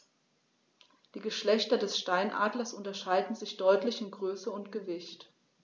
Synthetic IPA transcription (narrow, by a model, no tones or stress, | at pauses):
d̥iːɡəʃlɛçtɐdɛsʃtaɪnʔa̰ːdlɐsʔʊntɐʃaɪdn̩zɪçd̥ɔʏtlɪçɪmɡʁøːsəʊntɡ̥əvɪçt